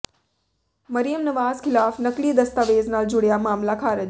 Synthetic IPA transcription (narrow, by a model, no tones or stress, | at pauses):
mɐɾijəmnɐʋaːzkʰɪlaːfnɐklid̪ɐst̪aʋeːznaːld͡ʒʊɽjamaːmlakʰaːɾəd͡ʒ